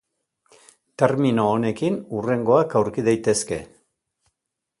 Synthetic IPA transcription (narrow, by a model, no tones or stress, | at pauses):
t̪e̞ɾmino̞ːne̞kinure̞ŋɡo̞akawɾkiðajt̪e̞ske̞̰